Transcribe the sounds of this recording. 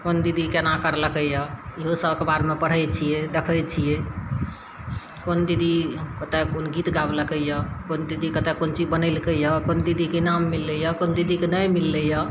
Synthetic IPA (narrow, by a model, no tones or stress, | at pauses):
kond̪id̪ʱikenãkəɾləkəjaiɦosəbkebaɾmepəɽ̤əjt͡ʃʰijed̪ekʰəjt͡ʃʰije | kond̪id̪ʱikət̪ekonɡit̪ɡabləkəjakond̪id̪ʱikət̪ɛkont͡ʃibənəlkəjakond̪id̪ʱikenamːilːəjakond̪id̪ʱikenəjmilːəja